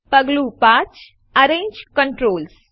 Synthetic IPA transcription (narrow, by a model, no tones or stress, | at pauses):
pəɡlupãːt͡ʃ | ɐɾẽːɲd͡ʒkə̃ɳʈɾoːls